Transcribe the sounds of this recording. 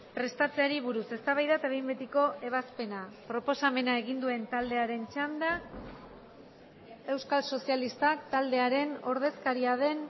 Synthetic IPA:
pɾe̞st̪at͡seaɾiβuɾuse̞st̪aβajðat̪aβejmbet̪iko̞ʔe̞β̞aspe̞napɾo̞po̞same̞naeɣind̪ue̞nt̪ald̪e̞aɾe̞nt͡ʃand̪a | e̞wskalso̞sijalist̪akt̪ald̪e̞aɾe̞no̞ɾðe̞skaɾiað̞e̞n

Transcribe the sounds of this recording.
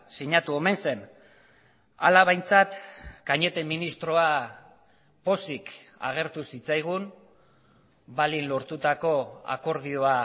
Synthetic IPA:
siɲat̪uo̞me̞nse̞n | a̰laβajnt͡sat̪kaɲe̞t̪e̞minist̪ɾo̞a | po̞sika̰ɣ̞e̞ɾt̪usit͡sajɣ̞un | balinlo̞ɾt̪ut̪ako̞a̰ko̞ɾð̞io̞a

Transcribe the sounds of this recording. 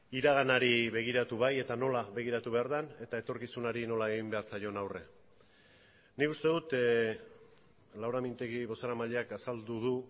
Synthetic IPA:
iɾaɣ̞anaɾiβe̞ɣ̞iɾat̪uβaje̞t̪ano̞laβe̞ɣ̞iɾat̪uβe̞aɾðane̞t̪ae̞t̪o̞ɾkisunaɾino̞lae̞ɣimbe̞aɾt͡sajo̞nawre̞̰ | nikust̪e̞ðut̪ | lawɾamint̪e̞ɣiβo̞saɾamaʎeakasald̪uðu

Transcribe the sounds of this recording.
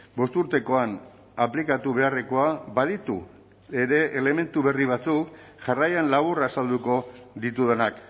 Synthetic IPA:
bo̞st̪uɾt̪e̞ko̞an | aplikat̪uβe̞areko̞abað̞it̪ṵ | eɾe̞ʔele̞me̞nt̪uβe̞riβ̞at͡suk | ʝarajanlaβ̞uraːsald̪uko̞ðit̪uðe̞nak

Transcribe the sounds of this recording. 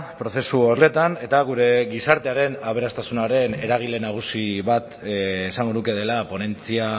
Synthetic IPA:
pɾo̞θe̞suorle̞t̪ane̞t̪aɣ̞uɾe̞ɣisaɾt̪e̞aɾe̞naβ̞e̞ɾast̪asunaɾe̞ne̞ɾaɣ̞ilenaɣ̞usiβat̪ː | saŋɡo̞nuke̞ð̞e̞lapo̞ne̞nt͡sia

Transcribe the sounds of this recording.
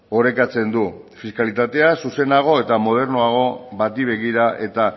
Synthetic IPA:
o̞ɾe̞kat͡se̞nd̪ufiskalit̪at̪e̞asuse̞naɣ̞o̞e̞t̪amo̞ð̞e̞ɾnoaɣ̞o̞βat̪iβ̞e̞ɣ̞iɾaʔe̞t̪a

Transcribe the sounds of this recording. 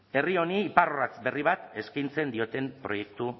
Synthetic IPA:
e̞rio̞niːparorat͡sbe̞riβ̞at̪e̞skint͡se̞nd̪io̞t̪e̞mpɾo̞je̞k̚t̪u

